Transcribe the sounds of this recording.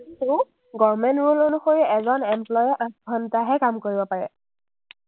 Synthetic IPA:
itu | ɡɔɹmɛntɹulonuxoɹiɛzɔnɛmplɔjʔɔɡʱɔntaɦɛkamkoɹibɔpaɹɛ̰

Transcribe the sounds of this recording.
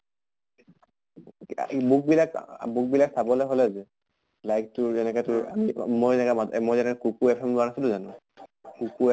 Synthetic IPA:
buk̚bilakbuk̚bilaksabɔlɛɦolɛzɛ | lajk̚tʊɹɛnɛkɛtʊɹa̰imojɛnɛkɛmamojzɛnɛkɛkukuɛpʰɛmluanasilʊzanʊ̃ | kuku

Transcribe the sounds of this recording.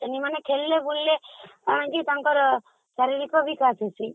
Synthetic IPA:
t̪enimanekʰelːebulːeaɽ̃ãŋkit̪ãŋkɔɾ | saɾiɾikɔbʱikasʰesi

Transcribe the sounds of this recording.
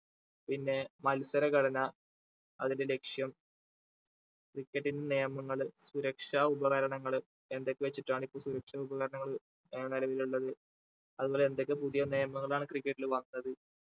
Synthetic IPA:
pinːe̞mɐlsɐɾɐkɐɽɐnɐ | ɐðinde̞le̞kʂjɐm | krikʲːɐʈːindenejɐmːɐŋːɐɭsuɾɐkʂaːubɐɣɐɾɐɳɐŋːɐɭ | e̞nd̪o̞kːeʋet͡ɕːiʈːaːɳipːoːɭsuɾɐkʂaːubɐɣɐɾɐɳɐŋːɐɭ | nilɐʋiluɭːɐðɨ | ɐðubo̞ːleend̪o̞kːepuðijɐnejɐmɐŋːɐɭaːɳɨkrikːɐʈːilʋɐnːɐðɨ

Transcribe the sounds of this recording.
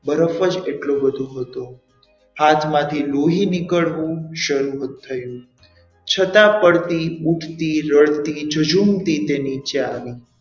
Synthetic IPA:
bəɾəfəd͡ʒeʈlobəd̪ʱuɦət̪o | hat̪ʰmãt̪ʰiloɦinikəɭʋũʃəɾuɦət̪ʰːəjũ | t͡ʃʰət̪ãpəɽt̪iuʈʰt̪iɾəɭt̪id͡ʒʱəd͡ʒumt̪it̪enit͡ʃeaʋi

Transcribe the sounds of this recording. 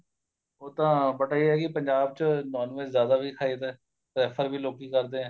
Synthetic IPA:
oːt̪ãːbəʈaːiɛːkɪpəɲd͡ʒaːb̚t͡ʃənɔːnʋeszjaːd̪aːbʱiːkʰaːiːt̪ɛː | pɾɛːpʰəɾbʱiːloːkiːkəɾd̪eːɛ̃ː

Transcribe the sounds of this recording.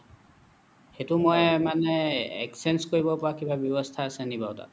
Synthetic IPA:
xetumojmanɛɛ̰ksɛnskoɹibɔpɔɹakibabjɔbɔstʰaːsɛnibaʊta̰

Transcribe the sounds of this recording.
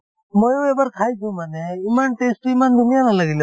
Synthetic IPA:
mojoebəɾkʰajt̪ʰũmaneimanʈesʈuimand̪ʱunijalaləɡil

